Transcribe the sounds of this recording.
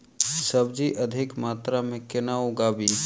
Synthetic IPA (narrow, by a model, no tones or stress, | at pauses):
səbd͡ʒiʔəd̪ʱɪkmaːt̪ɾamẽkɪnaɦoɡabʱi